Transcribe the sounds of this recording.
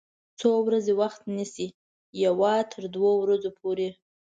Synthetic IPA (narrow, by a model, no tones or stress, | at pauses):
t͡sowɾazewaxt̪nisi | jawɑt̪ʰəɾd̪wowɾazopʰoɾe